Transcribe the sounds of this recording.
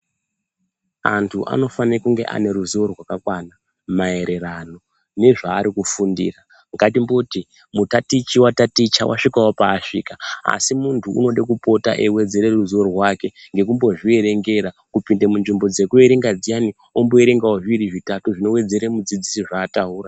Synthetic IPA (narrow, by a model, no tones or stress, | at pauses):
a̰ntʰuʔa̰no̞fanekuŋɡe̞̰ʔa̰ne̞ɾuzuorwakakwana | mae̞ɾe̞rano̞ | ne̞ʐaːɾikufundḭra | ŋɡatimboti | mutatit͡ʃiwatatit͡ʃa̰wa̰ʂikawopaːʂḭkaa̰simuntʰṵːno̞ɗekupo̞ta̰ʔewe̞d͡ze̞ɾeruzuorrwake̞ŋɡe̞kumbo̞ʐie̞ɾe̞ŋɡe̞ɾakupindemunʐimbo̞d͡ze̞kue̞ɾe̞ŋɡad͡zijani | omboeɾe̞ŋɡawoʐiɾiʐitatuʐino̞we̞d͡ze̞ɾemud͡zid͡zisiʐaːtaɦuːra